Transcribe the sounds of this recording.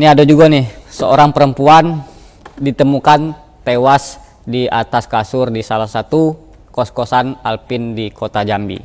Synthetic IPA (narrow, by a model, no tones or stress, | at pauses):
niadad͡ʒuɡanɪhsəo̰ɾaŋpəɾəmpuan | dit̪əmukan | t̪ewas | dia̰t̪askasʊrdisalahsat̪u | kɔskosanalpɪndikʰot̪ad͡ʒambḭ